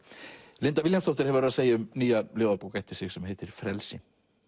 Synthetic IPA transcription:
lɪnt̪aviljamst̪ɔwht̪ɪɾ̥hɛvʏɾaseːjaʏmniːjaloːwðapuːwkajht̪ɪ̥ɾ̥sɪɣsɛmɦeːt̪ɪɾfɾɛlsɪ

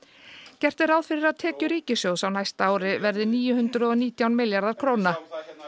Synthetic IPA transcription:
cɛr̥t̪ɪɾaːwðfɪɾɪɾaðt̪ʰɛːcʏɾiːcɪsjoːwsawnajst̪aːwɾɪvɛɾðɪniːjʏhʏnt̪ɾʏɔniːt̪jawnmɪljaɾðaɾ̥kʰɾoːwna

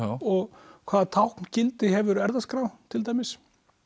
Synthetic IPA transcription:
ɔɣkʰv̥aːðt̪ʰawhkncɪlt̪ɪɦɛvʏɾɛɾðaskɾawt̪ʰɪlt̪̬aːjmɪs

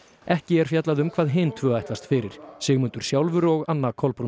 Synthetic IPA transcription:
ɛhcɪɛɾ̥fjɛt̪laðʏmkʰv̥aːðɦeːjmt̪ʰvœːajht̪last̪fɪɾɪɾ̥sɪːɣmʏnt̪ʏɾ̥sjawlvʏɾɔɣanːakʰɔlpɾu

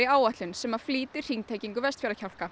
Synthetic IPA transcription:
ɪaːwaht̪lʏnsɛmað̥fliːt̪ɪr̥iŋnt̪ʰeːjciŋkʏvɛst̪fjɛːɾacʰawl̥ka

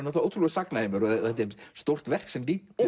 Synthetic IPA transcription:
nɔht̪aowt̪ʰɾulɛsaknaɪmʏɾɔɛt̪ːɪst̪ow̥t̪vɛr̥ksɛmliː

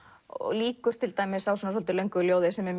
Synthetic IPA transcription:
ɔ̰ɔ̰ɣliːkʏɾ̥t̪ʰɪlt̪aːjmɪsawsɔnasɔlt̪ʏlejŋkʏljoːwðɪsɛmɛɾm

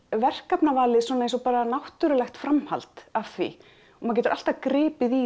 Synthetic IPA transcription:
vɛr̥kapnavaːlɪswɔnaensɔpaːɾanawht̪ʏɾʏlɛxt̪fɾamha̰lt̪av̥θvḭ | ɔmaðcɛːt̪ʏɾʔal̥t̪akɾɪːpɪði

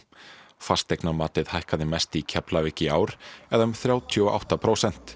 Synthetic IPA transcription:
fast̪ejknamaːt̪ɪðhajhkaðɪmɛst̪icʰɛplavɪhcɪaːwɾ̥ɛðaʏmθɾjaːwt̪ʰiɔʔa̰wht̪apʰɾoːwsɛn̥t̪

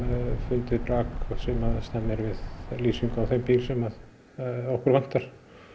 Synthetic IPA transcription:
fʏnt̪ɪðpɾaːksɛmaðst̪amːɪɾvɪðliːsiŋkawθejmpiːlsɛmað | owhkʏɾlan̥t̪aɾ̥

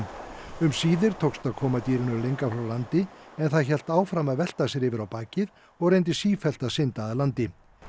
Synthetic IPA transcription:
ʏmsiːðɪɾ̥t̪ʰowkst̪akʰɔːmat̪iːɾɪnʏlejŋkafɾawlant̪ɪɛnθaðçɛl̥t̪aːwfɾamaðvɛl̥t̪asɛɾɪvɪɾawpaːcɪð | ɔɣrejnt̪̬ɪsiːfɛl̥t̪asɪnt̪aðalant̪ɪ

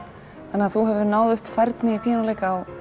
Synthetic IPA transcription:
θanːɪaθuɦɛvðʏɾnaːwðʏhpfaɾt̪nɪipʰiːjanalejkaːw

